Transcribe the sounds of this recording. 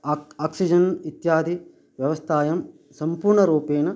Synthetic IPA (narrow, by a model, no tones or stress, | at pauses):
aːksid͡ʒɐnit̪jaːd̪ʱi | ʋjɐʋɐst̪ʰaːjɐm | sɐmpuːɾɳɐɾuːpeːnɐ